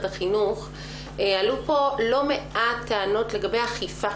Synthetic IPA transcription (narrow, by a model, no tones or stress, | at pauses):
taχinuχ | alupo̞lo̞me̞ʔat̪ːaano̞tle̞ɡabe̞jaχifa